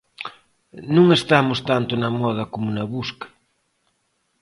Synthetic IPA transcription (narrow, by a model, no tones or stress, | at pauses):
nũŋest̪amʊst̪ant̪ʊnɐmɔð̞ɐkomonɐβuskɐ̥